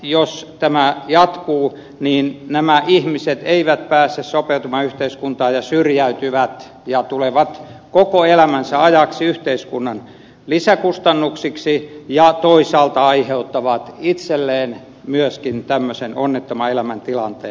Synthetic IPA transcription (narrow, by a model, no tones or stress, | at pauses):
jost̪æmæjɑt̪kuː | niːnnæmæʔihmiset̪eiʋæt̪̚pæːsːessopeut̪umɑyht̪eiskunt̪ɑːjɑsyrjæyt̪yʋæt̪ | jɑt̪uleʋɑt̪kokoelæmænsæɑjɑksiyht̪eiskunːɑn | lisækust̪ɑnːuksiksijɑt̪oisɑːlt̪ɑɑiheut̪ːɑʋɑt̪it̪selːeːn | myøskint̪æmːøsenonːet̪ːomɑelæmænt̪ilɑnt̪ḛː